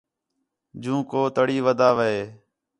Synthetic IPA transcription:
d͡ʒũːkoːt̪əɽiːʋəd̪ʱaːʋəɦeː

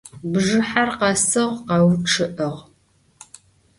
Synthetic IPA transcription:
bʒɨħarqɑsɨʁqɑwʈ͡ʂʰɨʔəʁ

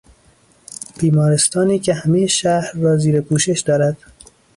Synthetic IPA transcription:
b̥iːmɒːɾe̞st̪ɒːniːkʰehæmejeʃæhɾːɒːziːɾepʰuːʃe̞ʃd̪ɒːɾæd̪̥

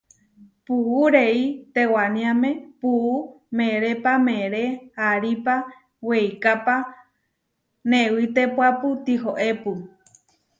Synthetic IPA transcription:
puuɾeit̪ewanĩãmẽpuu | mẽɾepamẽɾeaɾipa | wejkapa | nẽwit̪epʷapɨt̪iɦoʔepu

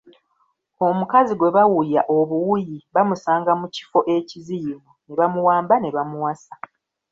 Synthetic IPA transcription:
o̞mukaziɡwe̞βawujaʔo̞βuwujiβamusaːŋɡamuci̥fo̞ʔe̞cizijimune̞βamuwaːmbane̞βamuwasa

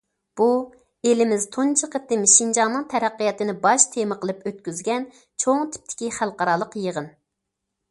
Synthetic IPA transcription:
b̥u | elɪmɪzt̪ʰont͡ʃʰəqət̪ːɨmʃind͡ʒɑŋnɨŋt̪ʰɛɾæqːijɑt̪ɨnɪbɑʃt̪ʰemɨqʰəlˠɨpøt̪̚kʲyzɡʲɛn | t͡ʃʰoŋt̪ʰɪ̥p̚t̪ʰɪ̥kʲiχælˠqɑɾɑlˠəqjəʁən

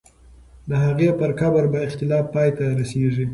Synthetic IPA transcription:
d̪əɦaɣepəɾkabaɾbaɪxt̪ɪlɑfɑjt̪aɾaseʐi

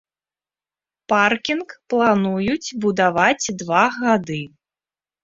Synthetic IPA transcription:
parkʲinkplˠanujut͡sʲbud̪avad͡zʲd̪vaɣad̪ɨ

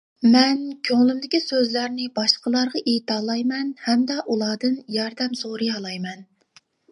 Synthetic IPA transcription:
mɛnkʲʰøŋlymd̪ɪkʲisøzlæɾnɪbɑʃqəlˠɑɾʁɑʔet̪ʰɑːlˠɑjmɛnhɛmd̪ɑʔulˠɑːd̪ɨnjɑɾd̪ɛmsoɾɨɑlˠɑjmɛn

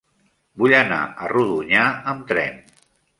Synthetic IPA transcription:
buʎəna̰əruðuɲaəmt̪ɾɛ̰n

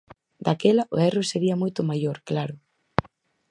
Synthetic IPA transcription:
d̪akɛlɐʔoɛroseɾiɐmojt̪ʊmajoɾklaɾʊ

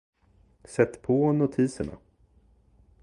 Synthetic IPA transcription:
sɛt̪ːpʰɔnʊt̪ʰiːsəɳa̰

